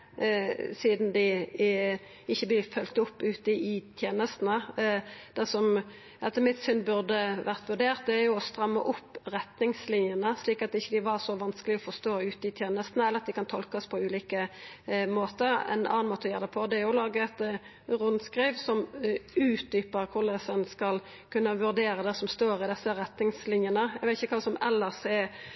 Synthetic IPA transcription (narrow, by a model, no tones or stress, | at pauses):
siːd̪nd̪ɪ | ɪçːəblɪfœlt̪ʊpːʉːt̪əɪt̪ʰjeːnəst̪n̩ə | d̪̥ɛsɔm | ɛt̪əmɪt̪sʏnbʉʁd̪əʋæʁt̪ʋʉʁd̪eːʁt̪̚d̪ɛæʁjʊɔst̪ʁɑmːəʔʊpːɾɛt̪nɪŋslɪnjənəsliːkɑt̪̚ːɪçːəd̪ɪʋɑʁsɔʋɑnskəlɪɔfɔst̪oːʉːt̪əɪt̪ʰjeːnəst̪n̩əɛlːəʁɑt̪̚d̪ɪkɑnt̪ʰɔlkəɔspʰɔʉːliːkə | moːt̪əɾɛ̰nɑ̰ːɑnmoːt̪əɔjeːʁd̪ɛpʰɔd̪ɛɾjʊlɑːɡəɛt̪ | ʁʊnskʁiːʋsɔmʉːt̪̚d̪yːpəʁkʰʊʁlɛsənskɑl | kʉnːəʋʉʁd̪eːɾəd̪ɛsɔmst̪oːʁɪd̪ɛsːəɾɛt̪nɪŋslɪnjənəæɡʋæɛt̪ɪçːəkʰʋɑːsɔmɛlːəsɛ